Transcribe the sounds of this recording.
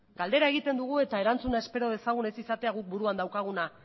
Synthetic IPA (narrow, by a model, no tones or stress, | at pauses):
ɡald̪e̞ɾae̞ɣit̪e̞nd̪uɣ̞ue̞t̪aeɾant͡sunae̞spe̞ɾo̞ðe̞saɣ̞une̞sisat̪e̞aɣuk̚buɾuand̪awkaɣ̞una